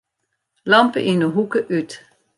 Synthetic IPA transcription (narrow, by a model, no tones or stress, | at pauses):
lɑmpə̰ʔinəɦukəʔyt